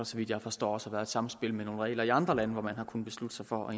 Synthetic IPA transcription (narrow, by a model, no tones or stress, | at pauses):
ɐsɒ̽ʋid̥jɑ̈ɪfɒ̽sd̥ɒ̰ːɒ̽sɑʋæɐed̥sɑ̈m̩sb̥e̝lmeno̝ːnʁɛ̰ːlɐiɑ̈nd̥ʁɐlænəʋɒmænhɑ̈kʰun̩b̥e̝slud̥əsɑ̈ɪfɒ̽ɒ̽e